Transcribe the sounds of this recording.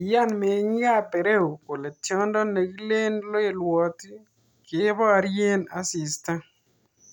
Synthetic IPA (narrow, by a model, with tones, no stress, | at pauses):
ja˦˨nme˨˦ŋ˦ɡa˦pe˨ɾe˦u˨ko˨le˨tjɔ˦ndɔ˦ne˨ɡi˦le˦nlo˦e˨lwɔ˨ti˦ | kɪ˨˦βɔ˦a˨ɾje˦na˦sɪ˨sta˦